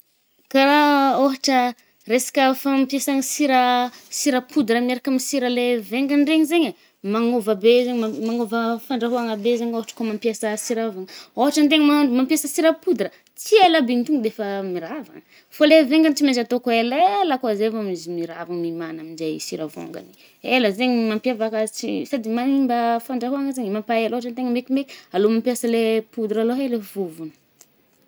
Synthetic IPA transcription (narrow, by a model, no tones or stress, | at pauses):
kaɾaoɦaʈ͡ʂə | resḁkʲəfampjesaŋisiɾasiɾəpʰud̪ɾəmieɾakamisiɾəleveŋɡaɳɖ͡ʐeɲzeɲə | maŋovabezeɲamaŋovəfaɳɖ͡ʐaɦuaŋabezeɲoɦaʈ͡ʂə̥kumampjesəsiɾavaŋoɦaʈ͡ʂənt̪̬eŋmamampjesəsiɾəpud̪ɾə | t͡siajlabent̪uŋud̪efəmiɾava̰ŋə | foleveŋɡant͡simezat̪okuelelakoazevamizimiɾa̰vaŋmimanaminzajsiɾavo̰ŋɡa̰ni | eləzeɲimampiavakat͡sisad̪imanimbəfaɳɖ͡ʐaɦuaŋəzeɲimampaeloɦaʈ͡ʂant̪eŋəmekimekʲi̥alomampiasəlepud̪ɾaloɦelevuvunə̥